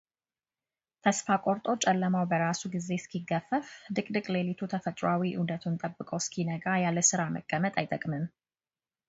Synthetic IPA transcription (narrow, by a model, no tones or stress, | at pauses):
t̪ʰəsfakʼoɾt̪ʼo̞t͡ʃʼɛlːəmawbəɾasuɡize̞skʰiɡːəfəfd̪ɨkʼd̪ɨkʼlelit̪ʰut̪ʰəfət̪ʼɾoawiʔɨ̰wd̪ət̪ʰunt̪ʼəbːɨkʼəwskʰinəɡajalːəsɨɾamə̰kʼːəmət̪ʼajt̪ʼəkʼmɨn